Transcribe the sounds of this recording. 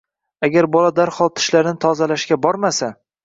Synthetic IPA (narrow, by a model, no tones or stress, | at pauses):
aɡʲaɾbɒlad̪aɾχɒlˠt̪ʰɪ̥ʃlaɾɪnɪt̪ʰɒzalaʃkʲabɒɾmasa